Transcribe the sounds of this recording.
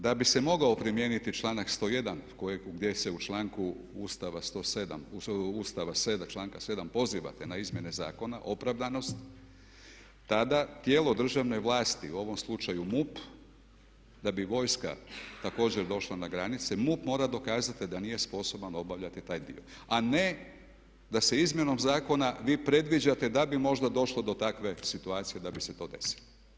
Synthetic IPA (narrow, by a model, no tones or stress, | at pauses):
d̪abise̞mo̞ɡao̞pɾimjeːnit̪it͡ʃlˠaːnakst̪o̞ːje̞d̪ankojeɡd̪je̞se̞ut͡ʃlaːŋku | uːst̪aʋast̪o̞ːsed̪a̰muust̪aʋased̪at͡ʃlˠaːŋkase̞d̪ampo̞ziʋa̰t̪enaizmje̞ne̞za̰ːko̞naʔo̞pɾaʋd̪ano̞st̪ | t̪ad̪at̪jeːlˠo̞d̪r̩ʒaʋne̞jʋlˠaːst̪iuo̞ʋo̞mslˠut͡ʃajumup | d̪abiʋo̞ːjska̰t̪ako̞ːd͡ʑeɾd̪o̞ʃlˠanaɡɾanit̪sɛmupmo̞ːɾad̪o̞kaːzat̪id̪anije̞spo̞so̞bano̞baʋʎat̪it̪aːjd̪ḭo̞ | ane̞ | d̪ase̞izmje̞no̞mzaːko̞naʋiːpɾe̞d̪ʋid͡ʑat̪e̞d̪abimo̞ʒd̪ad̪o̞ʃlod̪o̞t̪akʋe̞sit̪uaːt̪sije̞d̪abise̞t̪o̞ːd̪e̞̰si̥lo